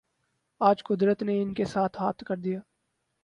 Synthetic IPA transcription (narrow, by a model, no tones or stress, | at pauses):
aːd͡ʒkʊd̪ɾət̪neɪnkesaːt̪ʰɦaːt̪ʰkɐɾd̪ijaː